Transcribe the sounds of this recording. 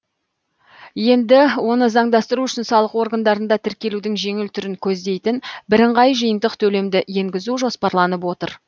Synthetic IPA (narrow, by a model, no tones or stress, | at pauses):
je̞nd̪ɪwo̞nəzɑɴd̪ɑst̪əɾuʏʃɪnsɑlˠəqwo̞ɾɡand̪ɑɾənd̪ɑt̪ʰɪɾkʲe̞lud̪ɪŋʒe̞ŋɪlt̪ʰʏɾɪŋkʲʰɵzd̪e̞jt̪ɪnbɪɾɪɴʁɑjʒəjənd̪əqt̪ʰɵle̞md̪ɪje̞ŋɡʲɪzuʒo̞spɑɾlˠɑnəpwo̞t̪ə̰ɾ